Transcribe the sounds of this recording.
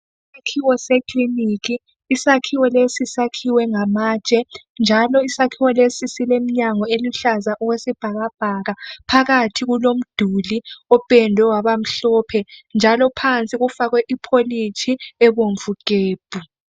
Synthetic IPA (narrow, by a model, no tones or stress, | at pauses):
isakʰiwɔsekʰʼlinikʰiː | sakʰiwɔlesisakʰiwɛŋamaːt͡ʃʼɛnd͡ʒʱalɔisakʰiwɔlesisilem̩ɲaŋɔeluɬazaʔɔɣwesib̥ʱaɣab̥ʱaɣapʰaɣatʰiɣulom̩d̥ʱuliɔb̥ʱɛndʱwɛwaβam̩ɬɔːpʰɛnd͡ʒʱalɔpʰant͡sʼiɣufaɣwɛʔipʰolitʰiɛβoɱvuɡ̥ʱeːb̥ʱu